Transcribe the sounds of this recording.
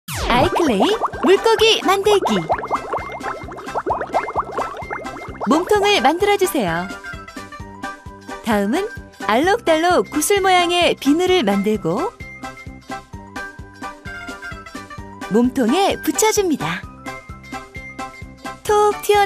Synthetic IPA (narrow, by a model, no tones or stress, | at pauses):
aikʰɯɭːeimuɭk͈ʌɡimandɯɭɡi | momtʰoŋɯɭmandɯɾʌd͡ʑusʰe̞jo | taɯmɯnaɭːʌk̚t͈aɭːokusʰɯɭmojaŋe̞pinɯɾɯɭmandɯɭɡo | momtʰoŋe̞put͡ɕʰʌd͡ʑɯmɲida | tʰok̚tʰiʌ